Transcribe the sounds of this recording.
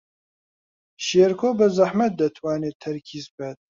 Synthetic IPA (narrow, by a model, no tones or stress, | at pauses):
ʃeːɾkʰoːbəzaħmɐt̪̚d̪ɐt̪ʰwaːneːt̪ʰːɐɾkʰiːzbɛt̪̚